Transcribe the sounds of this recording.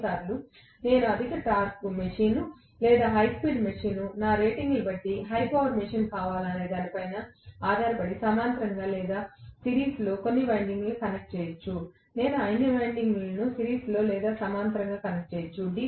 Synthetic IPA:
saːɾlu | ne̞ːnuɐd̪ʱikɐʈaːɾskumeʂiːnu | lɛːd̪aːɦɐjspiːɖmɐʂiːnunaːɾeːʈiŋɡlubɐʈːiɦɐjpɐːʋɐɾmeʂiːnkaːʋaːlɐne̞ːd̪aːnipɐjnɐaːd̪ʱaːɾɐpɐɽisɐmaːnt̪ɾɐŋɡaːlɛːd̪aːsiɾiːslo̞ːko̞nːiʋɐjɳɖiŋɡlukɐnek̚ʈ̚t͡ʃeːjɐt͡ʃːu | ne̞ːnuɐjniʋɐjɳɖiŋɡlɐnusiɾiːslo̞ːlɛːd̪aːsɐmaːnt̪ɾɐŋɡaːkɐnek̚ʈ̚t͡ʃeːjɐt͡ʃːuɖi

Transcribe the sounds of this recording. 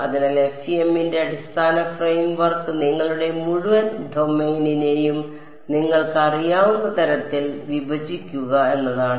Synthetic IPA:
ɐðinelekʂiemːinde̞ɐɽist̪ʰaːnɐfrejmʋɐrkɨniŋːɐɭuɽe̞muɻuʋɐnɖʱo̞mejnine̞jum | niŋːɐɭkɨɐrijaːʋunːɐt̪ɐɾɐt̪ːilʋibʱɐd͡ʑikʲːuɣɐe̞nːɐðaːɳɨ

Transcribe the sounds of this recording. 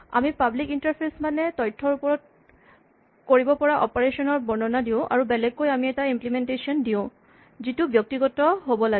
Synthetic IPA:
a̰mipablikintaɹpʰesmanɛtɔjtʰːɔɹupɔɹɔt̚ | koɹibɔpɔɹaʔɔ̰pɔɹesɔnɔɹbɔɹnɔnadiʊ̃ʔa̰ɹubɛlɛɡːojamiɛtaimplimɛntesiɔndiʊ̃ | zitubjɔk̚tiɡɔtɔɦobɔla

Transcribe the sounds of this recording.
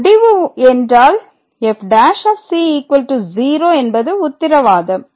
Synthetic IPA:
ɽɪʋɯɛndraːl | ɛfɖaːʃaːfsiiːkʋɐlʈuziːɾoːɛnbɐðɯʊt̪ːɪɾɐʋaːðɐm

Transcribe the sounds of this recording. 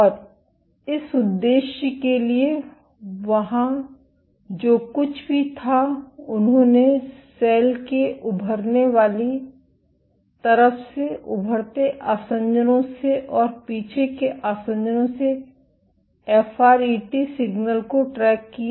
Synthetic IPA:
ɔːɾ | ɪsʊd̪ːeːʃjəkelie | ʋɐɦã | d͡ʒoːkʊt͡ʃʰbʱit̪ʰaʊnɦõːnesɛːlkeʔʊbʱəɾneʋaːli | t̪ɐɾəfseʊ̰bʱəɽt̪eʔaːsə̃ɲd͡ʒənõseʔɔːɾpiːt͡ʃʰekeʔaːsə̃ɲd͡ʒənõse | ɛːfʰaːɾiːʈisɪɡnəlkoʈɾɛːkːia

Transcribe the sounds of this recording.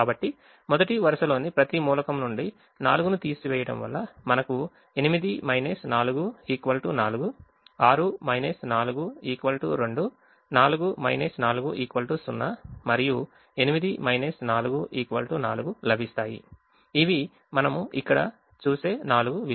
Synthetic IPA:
kaːbɐʈːi | mɔd̪ɐʈiʋɐɾɐʃɐlo̞ːnipɾɐt̪imuːlɐkɐmnuɳɖi | naːluɡunut̪iːsiʋɛːjɐɽɐ̰mʋɐ̰lːɐmɐnɐku | e̞nimid̪imɐjnesnaːluɡuiːkʋɐlʈunaːluɡu | aːɾumɐjnesnaːluɡuiːkʋɐlʈuɾeɳɖu | naːluɡumɐ̰jnɐsnaːluɡuʔiːkʋɐlʈusunːɐmɐɾiju | e̞nimid̪imɐjnɐsnaːluɡuʔiːkʋɐlʈunaːluɡulɐbʱist̪aːjḭ | iʋi | mɐnɐmuikːɐɽɐ̰ | t͡ʃuːse̞ːnaːluɡuʋi

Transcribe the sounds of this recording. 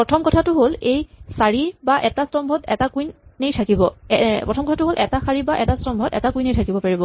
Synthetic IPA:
pɹɔtʰɔmkɔtʰatʊɦolejsaɹibaʔɛtastɔmbʱɔtɛ̰takujnːejtʰakibɔɛpɹɔtʰɔmkɔtʰatʊɦolʔɛ̰tasaɹibaʔɛtastɔmbʱɔtɛ̰takujnejtʰakibɔpaɹibɔ

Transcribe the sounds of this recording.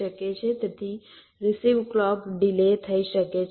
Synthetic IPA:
əket͡ʃʰet̪ət̪ʰi | ɾisiʋklɔpɖilet̪ʰəiʃəket͡ʃʰ

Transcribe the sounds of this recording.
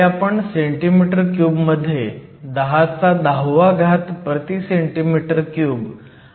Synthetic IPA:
apəɳseɳʈimiʈəɾkjuːbməd̪ʱːje | d̪əɦat͡sad̪aɦʋaɡʱat̪pɾət̪iseɳʈimiʈəɾkjuːb

